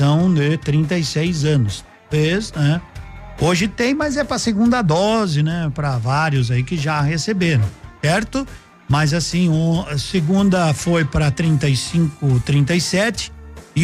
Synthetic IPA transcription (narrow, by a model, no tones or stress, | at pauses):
ɐ̃w̃d̪ɪt̪ɾĩnt̪̬ɐjsejzɐ̃nʊst̪awveznɛ | oʒɪt̪ẽj̃mɐjzɛpɾɐseɡũnd̪ɐd̪ɔzɪnɛpɾɐvaɾjʊzaikɪʒahesebeɾɐ̃w̃sɛɾt̪ʊ | mɐzasĩõseɡũnd̪ɐfojpɾɐt̪ɾĩnt̪ɐjsĩkʊt̪ɾĩnt̪ɐjsɛt͡ʃɪ̥ɪ